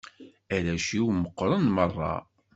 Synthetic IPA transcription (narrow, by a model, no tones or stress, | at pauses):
æɾæʃiwməqːɾˤənmərˤːɑ̰